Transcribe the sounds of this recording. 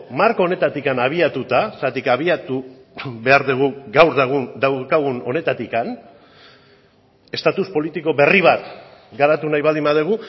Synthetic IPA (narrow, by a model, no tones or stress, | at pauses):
maɾko̞one̞t̪at̪ikanaβ̞iat̪ut̪ast̪at̪ikaβiat̪u | βe̞aɾðeɣ̞uɡawɾðɣud̪awkaɣ̞uno̞̰ne̞t̪at̪ikan | e̞st̪at̪uspo̞lit̪iko̞βe̞riβ̞at̪ɡaɾat̪unajβald̪imbaðeɣ̞u